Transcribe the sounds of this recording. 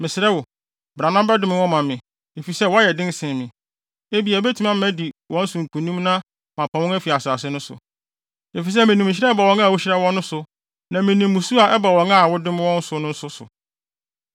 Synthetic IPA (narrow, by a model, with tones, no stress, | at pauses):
mɪ̃˨sɪ˨ɾɛ˦wʊ˨ | bɾa˨nã˦bɛ˦dɪ̃˨˦mɪ̃˦wɔ̃˦mã˨mɪ̃˨ | e˨fi˨sɛ˦˨wɔ˨˦a˦jɛ˨dɪ̃˦n˦sɪ̃˨mɪ̃˨ | e˦bi˨ɛ˨bɛ˦tʰu˦mã˦m˦æ˦di˨wɔ̃˦n̩˦sʊ̃˨ŋ̩˨kʰũ˨nĩ˦mnã˦ | mã˨pʰa˨wʊ̃˦æ˦fi˨a˨sʊ˨a˨sɪ˦nʊ̃˦sʊ̰˨ | e˨fi˨s̬ɛ˦mɪ̃˨nĩ˨m̃˨ɕ̬ɪ˦ɾɛ˦ba˨wɔ̃˦ŋã˦˨wʊ˦ɕɪ˦ɾɛ˦wɔ̃˦nːʊ̃˦sʊ˨ | nã˨mɪ̃˨nĩ˨mːũ˨su˦a˨ʔɛ˦ba˨wɔ̃˨˦ŋa˦˨wʊ˦dɪ˦m̃˦wɔ̃˦n̩˦sʊ˨nʊ̃˦n̩˦sʊ˦sʊ̰˨